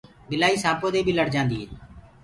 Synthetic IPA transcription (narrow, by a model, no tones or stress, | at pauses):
ɡɪlaːiːsãːpõːd̪eːbʱiːləɽd͡ʒãːnd̪iːɦeː